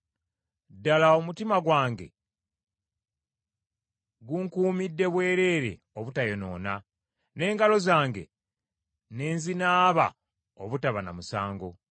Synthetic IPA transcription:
dːalaomutimaɡwaːŋɡe̞̰ | ɡuŋkuːmidːe̞βwe̞ːɾe̞ːɾe̞̰ | oβutajono̞̰ːna | ne̞ːŋɡalo̞zaːŋɡe̞̰ | ne̞ːnzinaːβa̰ | oβutaβana̰musaːŋɡo̞

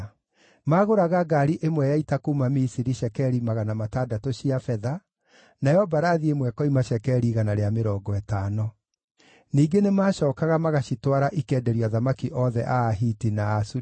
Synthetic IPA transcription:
maːɣoɾaɣaɡaɾiʔemwɛjaitakuːmamisiɾiʃɛkɛɾimaɣanamatadatoɕiafɛða | naɛɔbaɾaðiemwɛkɔimaɕɛkɛɾiɣanaɾeameɾɔːɡɔɛtaːnɔ | niːɡenemaːʃɔːkaɣamaɣaɕitwaɾaʔikɛːdɛɾiaðamakiʔɔðɛʔaːɦiːtinaːsu

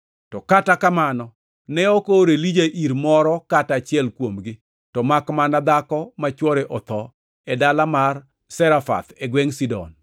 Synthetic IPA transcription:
tɔkatakamanɔ | nɛokoɾelid͡ʒaʔiɾmɔɾɔkatat͡ʃɪɛlkwomɡɪ | tɔmakmanad̪akɔmat͡ʃwɔɾeʔɔt̪ɔ | ɛdalamar | sɛɾafa̰t̪eɡweŋsidɔ̰n

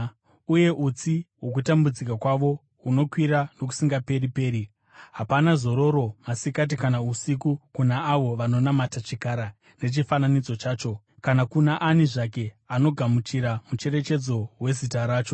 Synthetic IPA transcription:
uje̞ʔut͡siwo̞k̬utambud͡zik̬akwaʋo̞ | uno̞kwiɾano̞k̬u̥siŋɡape̞ɾipe̞ːɾi | ɦapanazo̞ɾo̞ɾo̞masikat̬ikanausikukunaːʋo̞ʋano̞namatat͡ʃikaɾa | ne̞t͡ʃifananid͡zo̞t͡ʃaːt͡ʃo̞ | kanakunaʔaniʐake̞ | ano̞ɡʱamut͡ʃiɾamut͡ʃe̞ɾe̞t͡ʃe̞d͡zo̞we̞zitaɾaːt͡ʃo̞

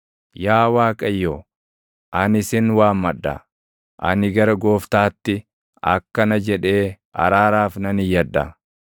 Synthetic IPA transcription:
jaːwaːkʼɐjːoː | ʔɐnɪsɪnwaːmːɐᶑːɐ̰ | ʔɐnɪɡɐɾɐɡo̞ːft̪aːt̪ːɪ | ɐ̰kːɐnɐd͡ʒɛᶑe̞ː | ɐ̰ɾaːɾaːfnɐnɪjɐᶑɐ̰

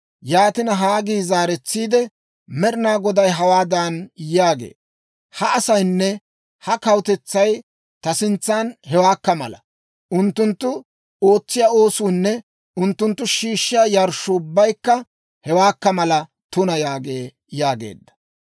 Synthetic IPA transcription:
jaːt̪ɪnɐɦaːɡiːzaːɾɛt͡sːiːd̪ɛ | mɛɾɪnaːɡɔd̪ɐjɦɐwaːd̪anjaːɡḛː | hɐɐsɐjnːɛ | hɐkɐwt̪ɛt͡sːɐj | t̪ɐsɪnt͡sːaːnhɛwaːkːɐmɐ̰lɐ | ʔʊnt̪ːʊnt̪ːʊ | oːt͡sːɪjaːo̞ːsuːnːɛ | ʊnt̪ːʊnt̪ːʊʃiːʃːɪːaːjɐɾʃːʊʊbːɐjkːɐ | hɛwaːkːɐmɐlɐ | t̪ʊnɐjaːɡeː | jaːɡe̞̰ːd̪ːɐ̥

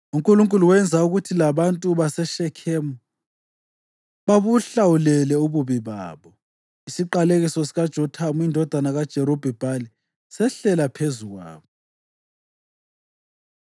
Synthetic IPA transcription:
uŋkʼuluŋkʼuluwɛnd͡zʱauɣutʰilaβantʼuβasɛʃɛkʰeːmu | βaβuɬawulɛlɛuβuβiβa̰ːβɔ | isiǃaleɣisɔsiɣad̥ʒ̥ʱɔtʰamuindʱɔd̥ʱanaɣad̥ʒ̥ʱɛɾob̥ʱɛb̥ʱali | sɛɬɛlapʰezuɣwa̰ːβɔ

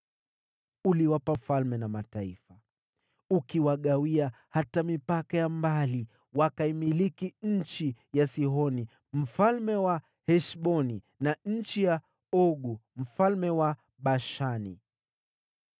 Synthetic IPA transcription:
uliwapafalmɛnamataifa | ukiwaɠawiahatamipakajambali | wakaimilikiɲ̩t͡ʃijasiɦɔni | m̩falmɛwa | hɛʃɓɔni | naɲ̩t͡ʃija | ɔɠum̩falmɛwa | ɓaʃanḭ

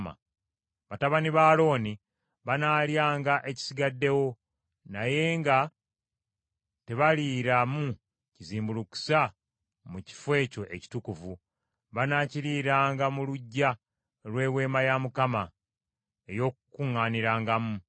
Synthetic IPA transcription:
ma̰ | βataβaniβaːlo̞ːni | βanaːljaːŋɡaʔe̞ci̥siɡadːe̞wo̞ | naje̞ːŋɡa | te̞βaliɾamu | ciziːmbuluku̥sa | muci̥fwe̞ːco̞ʔe̞̰ci̥tukuvu | βanaːciliːɾaːŋɡamuluɟːa | lwe̞ːwe̞ːmajamukama | e̞jo̞ːkukuŋːaːniɾaːŋɡamu

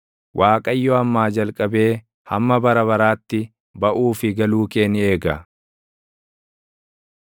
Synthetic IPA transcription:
wʔaːkʼɐjːɔɐmːaːd͡ʒɐlkʼɐbe̞ː | hɐmːɐbɐɾɐβɐɾaːt̪ːɪ | bɐʔuːfɪɡɐluːke̞ːnɪe̞ːɡɐ

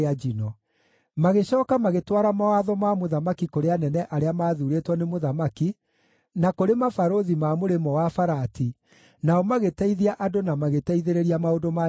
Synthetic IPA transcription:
ad͡ʒinɔ | maɣeɕɔːkamaɣetwaɾamawaðɔmamoðamakikoɾeanɛnɛʔaɾeamaːðuːɾetwɔnemoðamaki | nakoɾemafaɾoðimamoɾemɔwafaɾati | naɔmaɣetɛiðiaʔadonamaɣetɛiðeɾeɾiamaodoma

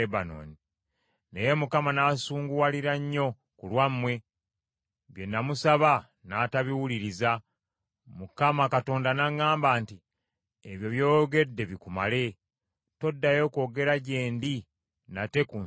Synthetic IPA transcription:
ebano̰ːni | neje̞mukamanasuːŋɡuwaliɾaɲːo̞ | kulwamːwe̞ | βje̞nːamusaβa | nataβiwuliɾiza | mukamakato̞ːndanaŋːaːmbaːnti | eβjo̞βjo̞ːɡe̞dːe̞βikuma̰le̞ | to̞dːajo̞ko̞ːɡe̞ɾaɟe̞ːndi | nate̞ku

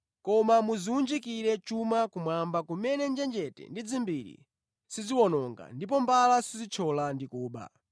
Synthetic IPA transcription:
kɔmamuziund͡ʒikiɾɛt͡ʃumakumwambakumɛnɛnd͡ʒɛnd͡ʒɛtɛ̰ndid͡zimbiɾḭ | siziwɔnɔŋɡa̰ndip̬ɔmbalasizit͡ʃʰɔlandikuːɓa̰

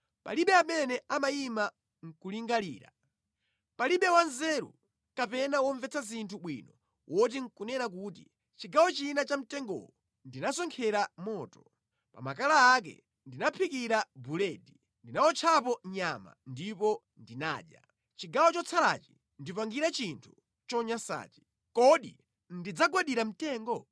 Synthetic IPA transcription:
pa̰liɓɛamɛnɛʔamaima | ŋ̩kuliŋɡalḭːɾa̰ | paliɓɛwanzɛɾṵ | kapɛnawɔɱvɛt͡sʰazintʰuɓwinɔ | wʔɔt̬iŋ̩kunɛnak̬uːtḭ | t͡ʃiɡawɔt͡ʃinat͡ʃam̩tɛŋɡɔ̰ɔ | ndinasɔŋkʰɛɾamɔːtɔ̥ | pa̰makalaːk̬ɛ̰ | ndinapʰikiɾabulɛːdi | ndinawɔt͡ʃʰapɔɲama̰ndipɔ | ndina̰ːʄja̰ | t͡ʃiɡawɔt͡ʃɔt͡sʰala̰ːt͡ʃi̥ | ndipaŋɡiɾat͡ʃintʰu̥ | t͡ʃɔɲasa̰ːt͡ʃi̥ | kɔɗḭ | ndid͡zaɡwaɗiɾam̩tɛːŋɡɔ

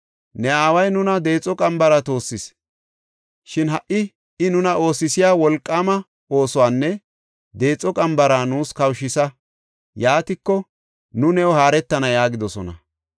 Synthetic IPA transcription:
nɛaːwɐjnʊnɐd̪e̞ːt͡sʼːɔkʼɐmbɐɾɐt̪o̞ːsːɪs | ʃɪnɦɐʔɪ | ɪnʊnɐʔo̞ːsɪsɪjaːwɔlkʼːamɐ | o̞ːsɔwaːnːɛ | d̪e̞ːt͡sʼːɔkʼɐmbɐɾaːnuːskɐwʃɪsɐ | jaːt̪ɪkːɔ | nʊnɛɔɦaːɾɛt̪ːɐnɐjaːɡɪd̪ɔsɔnɐ̰

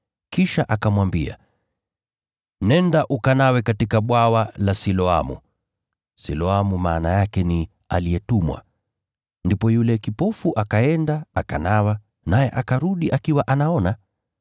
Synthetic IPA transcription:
kiʃaʔakamwambia̰ | nɛndaʔukanawɛkatikaɓwawalasilɔa̰mṵ | silɔamumaːnajakɛni | a̰liɛtumwa̰ | ndipɔjulɛkipɔfuʔakaɛndaakanawa | najɛʔakaɾuɗiʔakiwaʔanaɔna

